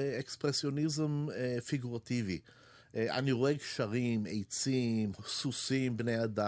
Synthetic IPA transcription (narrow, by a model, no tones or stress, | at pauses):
ekspʁesjo̞nizemefiɡuʁativi | a̰niʁoekʃaʁimḛjt͡simsusimbnejad̪a